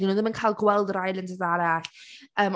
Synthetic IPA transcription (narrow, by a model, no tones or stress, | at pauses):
inuːðəmənkʰajlˠɡwɛlˠdrajlˠəntʰəzaɾaɬəːm